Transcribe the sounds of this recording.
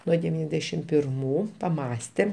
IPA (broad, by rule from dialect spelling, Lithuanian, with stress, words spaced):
ˈnuɔ dʲɛˈʋʲiːnʲɛzʲdʲɛʃʲɪm pʲɪrˈmuː pɐˈmɑːsʲtʲeːm